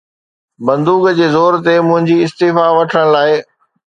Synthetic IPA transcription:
bɐ̃nd̪uːɡd͡ʑeːzoːɾt̪emʊ̃ɦɪ̃ɲd͡ʑiɪst̪eːfaʋɐʈʰəɽ̃laːɪ

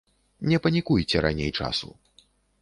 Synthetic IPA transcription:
nʲɛpɐnʲikujt͡sʲɛɾanʲḛjt͡ʂa̰sṵ

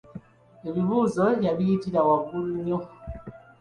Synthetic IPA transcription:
eβiβuzojaβijitilawaɡuluɲɔ

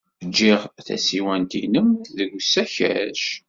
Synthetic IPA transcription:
d͡ʒːɪʁθæ̰siwænt̪inəmðəɡsːæçæ̰ʃ

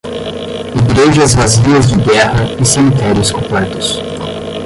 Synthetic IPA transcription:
iɡɾeʒɐzvaziɐzd͡ʒɪɡɛhɐɪsemit̪ɛɾiʊskõplɛt̪ʊ̥s

